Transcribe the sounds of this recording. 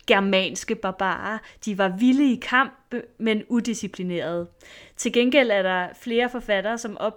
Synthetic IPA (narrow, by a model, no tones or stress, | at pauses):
ɡ̥ɛɐmɛ̰ːnsɡ̥əb̥ɑ̈b̥ɑ̰̈ːɐd̥iʋɑ̈ʋiləikʰɑ̈m̰b̥menud̥isipʰline̝̰ːɐð̞̩ˠ | t͡sʰe̝lɡ̥enɡ̥el̰æɐɾɑ̈fle̝ːɐfɒ̽fæɾ̥ɐːsɒ̽mʔɒ̽b̥